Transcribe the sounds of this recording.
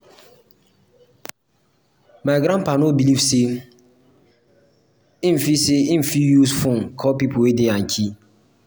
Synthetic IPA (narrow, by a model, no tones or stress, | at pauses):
maɡɾãnpanobilivse | ĩm̩fiseĩm̩fijusfɔ̃nkʰɔpipʰowedeãnkʰi